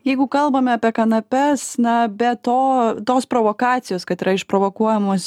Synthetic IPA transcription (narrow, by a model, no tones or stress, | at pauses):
jɛɪɡʊkɐlˠbɐmʲɛɐpʲiɛkɐnɐpʲɛsnɐbʲɛt̪oːt̪oːspɾoːʋoːkɑːt̪sʲɪjoːskɐt̪ɪɾɐɪʃpɾoːʋokuɔjɛmoːs